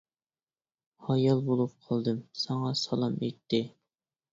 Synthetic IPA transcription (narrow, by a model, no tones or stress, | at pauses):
hɑjɑlˠbolˠup̚qʰɑlˠd̪ɨmsɑŋɑsɑlˠɑmet̪ʰːɪ